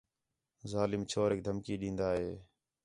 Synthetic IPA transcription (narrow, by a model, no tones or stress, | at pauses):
zaːlɪmt͡ʃʰoːɾek̚d̪ʱəmkiːɗĩːnd̪aːɦeː